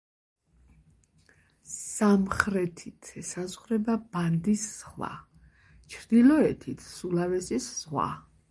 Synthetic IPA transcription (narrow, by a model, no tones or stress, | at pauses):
samχɾɛt̪ʰit̪ʰɛsazʁɾɛbab̥and̪isːχwa̰ | t͡ʃʰɾd̪ilɔɛt̪ʰit̪ʰsulavɛsiszʁwa̰